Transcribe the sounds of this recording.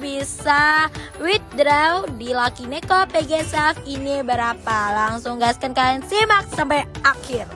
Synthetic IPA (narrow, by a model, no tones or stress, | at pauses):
bisawit̪̚dɾawdilakinekopeɡesafinibəɾapalaŋsʊŋɡaskankaansimak̚sampajakɪr